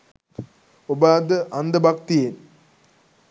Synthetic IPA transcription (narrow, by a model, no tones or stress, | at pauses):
ubaːd̪əʔɐnd̪ɐbʱɐkt̪ijen